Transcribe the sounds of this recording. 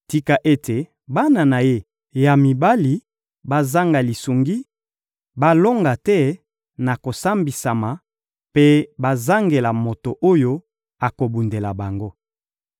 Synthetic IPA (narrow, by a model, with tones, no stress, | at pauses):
ti˦ka˨ʔe˦te˨ | ba˦na˨na˨je˦ | ja˨mi˨ba˦li˨ | ba˦za˦ŋɡa˨li˨su˨ŋɡi˦ | ba˦lo˦ŋɡa˨tɛ˦ | na˨ko˨sa˦mbi˨sa˨ma˨ | pe˦ba˦za˦ŋɡe˨la˨mo˨to˨ʔo˦jo˦ | a˨ko˨bu˨nde˨la˨ba˨ŋɡo˦